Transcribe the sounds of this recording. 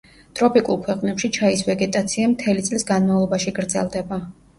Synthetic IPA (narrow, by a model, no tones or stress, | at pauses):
t̪ʼɾɔpʼikʼulˠkʰwɛqʼnɛpʃit͡ʃʰaisvɛɡɛt̪ʼat̪sʰiamt̪ʰɛlit̪sʼlisɡanmavlˠɔbaʃiɡɾd̪zɛ̰lˠd̪ɛba